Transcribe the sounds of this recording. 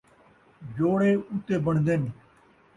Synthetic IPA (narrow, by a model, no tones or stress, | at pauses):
d͡ʒoːɽeːʊt̪eːbəɳd̪en